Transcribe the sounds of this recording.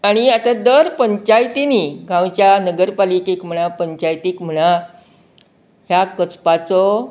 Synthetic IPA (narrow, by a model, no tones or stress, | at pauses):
aɽ̃iat̪ad̪əɾpəɲt͡ɕajt̪iniɡʱãwt͡ɕjanəɡəɾpaliːkekm̤əɽ̃apəɲt͡ɕajt̪iːkm̤əɽ̃a | ɦjakət͡spat͡sɔ